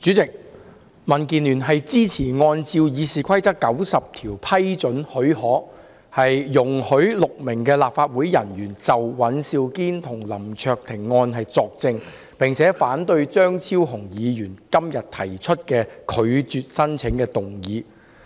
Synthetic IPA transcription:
t͡syː˨˥t͡sɪ˨k̚ | mɐ˨˩nkiː˨nlyː˨˩nɦɐ˨jt͡siː˥t͡sʰiː˨˩ŋɔː˧nt͡siː˧wjiː˨˧siː˨˩kʷʰɐ˥jt͡sɐ˥kːɐ˨˥wsɐ˨p̚t̪ʰiː˨˩wpʰɐ˥jt͡ʃɵ˨˥nhɵ˨˥ɥhɔː˨˥ | hɐ˨jːʊ˨˩ŋhɵ˨˥ɥlʊ˨k̚mɪ˨˩ŋkɛː˧laː˨p̚faː˧t̚wuː˨˥jjɐ˨˩njyː˨˩nt͡sɐ˨wwɐ˨˥nsiː˧wkiː˥nt̪ʰʊ˨˩ŋlɐ˨˩mt͡ʃʰœː˧k̚t̪ʰɪ˨˩ŋːɔː˧nɦɐ˨jt͡sɔː˧k̚t͡sɪ˧ŋ | pɪ˨ŋt͡sʰɛː˨˥faː˨˥nt̪ɵ˧ɥt͡ʃœː˥ŋt͡sʰiː˥wɦʊ˨˩ŋjiː˨˧jyː˨˩nkɐ˥mjɐ˨t̚t̪ʰɐ˨˩jt͡ʃʰɵ˥t̚kɛː˧kʰɵ˨˧ɥt͡syː˨t̚sɐ˥nt͡sʰɪ˨˥ŋkɛː˧t̪ʊ˨ŋjiː˨˧

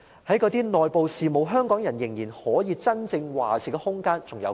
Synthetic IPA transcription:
hɐ˨˥jkɔː˨˧t̪iː˥nɔː˨jpo˨wsiː˨mo˨˧wɦœː˥ŋkɔː˨˥ŋjɐ˨˩njɪ˨˩ŋjiː˨˩nhɔː˨˥jiː˨˧t͡sɐ˥nt͡sɪ˧ŋwaː˨t͡sʰiː˨˩kɛ˧hʊ˥ŋkaː˥nt͡sʊ˨ŋjɐ̰˨˧w

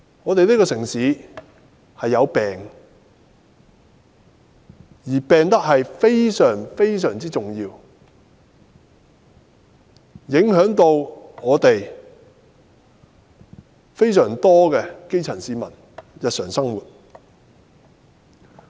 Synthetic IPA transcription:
ŋɔː˨˧t̪e˨jliː˥kɔː˧sɪ˨˩ŋsiː˨˥ | hɐ˨jːɐ˨˧wpɛː˨ŋ | jiː˨˩pɛː˨ŋt̪ɐ˥k̚hɐ˨jfe˥jsœː˨˩ŋfe˥jsœː˨˩ŋt͡siː˥t͡sʊ˨ŋjiː˧w | jɪ˨˥ŋhœː˨˥ŋt̪o˧wŋɔː˨˧t̪e˨j | fe˥jsœː˨˩ŋt̪ɔː˥kɛː˧ke˥jt͡sʰɐ˨˩nsiː˨˧mɐ˨˩n | jɐ˨t̚sœː˨˩ŋsɐ˥ŋwuː˨t̚

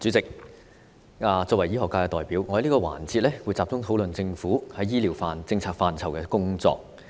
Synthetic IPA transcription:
t͡sy˨˥t͡sɪ˨k̚ | aː˨˧t͡sɔː˧kwɐ˨˩jiː˥hɔː˨kːaː˧kɛː˧t̪ɔː˨jpiː˨˥wŋɔ˨˧hli˥kːɔː˧wa̰ː˨˩nt͡siː˧t̚lɛː˥wuː˨˧jt͡saː˧p̚t͡sʊ˥ŋt̪ʰo˨˥wlɵ˨nt͡sɪ˧ŋfuː˨˥hɐ˨˧jːiː˥liː˨˩wfaː˨˧nt͡sɪ˧ŋt͡sʰaː˧k̚faː˨˧nt͡sʰɐ˨˩wkɛː˧kʊ˥ŋt͡sɔ̰ː˧k̚

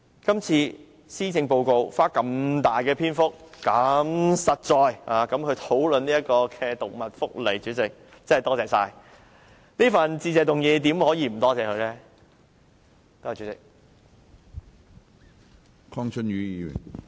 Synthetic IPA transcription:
kɐ˥mt͡sʰiː˧ | siː˥t͡sɪ˧ŋpo˧wko˧wfaː˥kɐ˧mt̪aː˨jkɛː˧pʰiː˥nfʊ˥k̚ːɐ˨˥msɐ˨t̚t͡sɔː˨jaː˨˧kɐ˨˥mkʰɵ˨˧ɥt̪ʰo˨˥wlɵ˨niː˥ɐ˥t̚kɔː˧kʰɛ˧t̪ʊ˨k̚mɐ˨t̚fʊ˥k̚le˨˩jt͡ʃyː˨˥t͡sɪ˨k̚ | t͡sɐ˥hɐ˨jt̪ɔː˥t͡sɛː˨saː˧j | niː˥fɐ˨nt͡siː˧t͡sɛː˨t̪ʊ˨ŋjiː˨˧t̪iː˨˥mhɔː˨˥jiː˧m̩˨˩t̪ɔː˥t͡sɛː˨kʰɵ˨˧lɛː˥ | t̪o˥hɐ˨˩t͡ʃyː˨˥t͡sɪ˨k̚ | kʰɔː˥ŋt͡ʃʰɵ˥nɥyː˨˧ji˧˨˧jy̰˨˩n

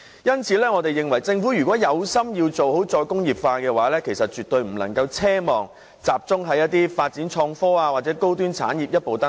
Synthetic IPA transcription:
jɐ˥nt͡sʰiː˨˥lɛː˥ŋɔː˨˧t̪e˨jːɪ˨ŋwɐ˨˩jt͡sɪ˧ŋfu˨˥jyː˨˩kʷɔː˨˥jɐ˨˧wsɐ˥mjiː˧wt͡so˨wɦo˨˥wt͡sɔː˧jkʊ˥ŋjiː˨˩p̚faː˧kɛː˧waː˨˥lɛː˥kʰe˨˩jsɐ˨t̚t͡ʃyː˨t̪̚ɵ˧ɥm̩˨˩lɐ˨˩ŋkɐ˧wt͡sʰɛː˥mɔː˨ŋ | t͡saː˨p̚t͡sʊ˥ŋɦɐ˨˧jɐ˥t̪̚iː˥faː˧t̚t͡siː˨˥nt͡ʃʰɔː˧ŋfɔː˥aː˧waː˨t̚t͡sɛː˨˥ko˥wt̪yː˥nt͡sʰa̰ː˨˥njiː˨p̚jɐ˥t̚po˨wt̪ɐ˥

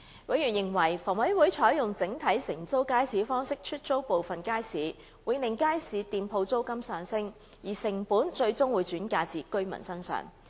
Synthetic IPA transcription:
wɐ˨˧˥jɥyː˨˩njɪ˨˩ŋwɐ˨˩jfɔː˨˩ŋwɐ˨˥jwu˨˥jt͡ʃʰɔː˨˥jjʊ˨˩ŋt͡sɪ˨˥ŋt̪ʰɐ˨˥jsɪ˨˩ŋt͡so˥wkaː˥jsiː˨˥fɔː˥ŋsɪ˥k̚t͡ʃʰɵ˥t̚t͡so˥wpo˨wfɐ˨nkaː˥jsiː˨˥ | wuː˨˧jnɪ˨˩ŋkaː˥jsiː˨˧t̪iː˨˧mpʰo˧wt͡so˥wkɐ˥msœː˨ŋsɪ˥ŋ | jiː˨˩sɪ˨˩ŋpuː˨˥nt͡ʃɵ˧ɥt͡sʊ˥ŋwuː˨˧˥jt͡ʃyː˨˥nkaː˧t͡siː˨kɵ˥ɥmɐ̰˨˩nsɐ˥nsœ̰ː˨ŋ

